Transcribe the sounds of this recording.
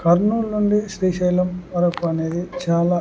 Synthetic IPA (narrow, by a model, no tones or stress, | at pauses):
kɐɾnuːlnuɳɖiʃɾiːʃɐːjlɐmʋɐɾɐkuɐne̞ːd̪it͡ʃaːlaː